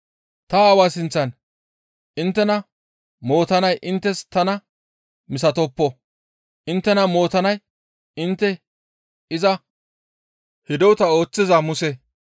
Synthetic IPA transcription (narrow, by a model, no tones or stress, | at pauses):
t̪ɐːwaːsɪnt͡sːɐn | ʔɪnt̪ːɛnɐ | mo̞ːt̪ɐnɐjʔɪnt̪ːɛst̪ɐnɐ | mɪs̬ɐt̪ɔpːɔ | ʔɪnt̪ːɛnɐmo̞ːt̪ɐnɐj | ɪnt̪ːɛ | ɪzɐ | hɪd̪ɔwt̪ɐo̞ːt͡sːɪzɐmʊsɛ